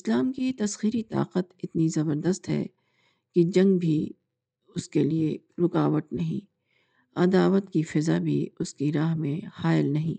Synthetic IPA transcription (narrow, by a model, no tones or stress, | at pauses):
ɪslaːmkit̪ɐsxiːɾit̪a̰ːqət̪ɪt̪nizɐbəɾd̪əst̪ɦɛ̰ː | kid͡ʒɐ̃ŋɡbʱi | ʊskelieɾʊkaːʋəʈ̪nɐɦḭ̃ː | ɐd̪aːʋət̪kifɪzabʱḭʊskiɾaːɦmẽxaːɪlnɐɦĩː